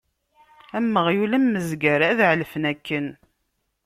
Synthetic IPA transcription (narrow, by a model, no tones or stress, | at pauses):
æmːəʁjulæmːəzɡəɾæðʕlfənækːən